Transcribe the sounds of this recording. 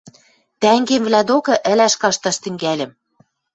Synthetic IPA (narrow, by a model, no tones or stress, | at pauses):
t̪æŋɡemvlæd̪okɤ̆ʔɘ̆læʃkɑʃt̪ɑʃt̪ɘ̆ŋɡælʲɘ̆m